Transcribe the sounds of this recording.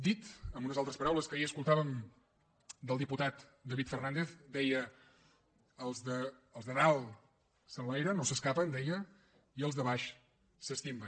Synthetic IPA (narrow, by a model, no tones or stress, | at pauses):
d̪it̪əmbunəzalˠt̪ɾəspəɾawləskəiəskulˠt̪aβəm | d̪əlˠd̪iput̪at̪d̪əβit̪fərnand̪eθd̪ɛjə | lˠzðəəlˠzðəralˠ | sənlɛjɾənosəskapənd̪ɛjə | iəlˠzðəβaʃ | səst̪imbən